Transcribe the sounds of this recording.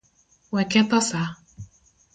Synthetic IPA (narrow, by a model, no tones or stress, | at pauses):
wɛkɛt̪ɔsa